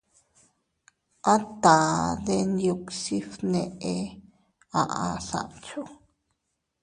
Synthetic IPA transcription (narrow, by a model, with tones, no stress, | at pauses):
ã˦t̪a˨d̪e˧nju˧ksi˦fnẽ˧ʔe˧ | ã˧ʔa˧ɬa̰˧ʔt͡ʃo˦